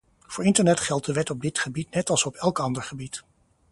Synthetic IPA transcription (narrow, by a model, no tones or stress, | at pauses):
v̥ʊːɹɪntəɹnɛtχɛlˠt̚dəʋɛtɔb̚dɪtχəbitnɛtɑlˠsɔpɛlˠkɑndəɹχəbit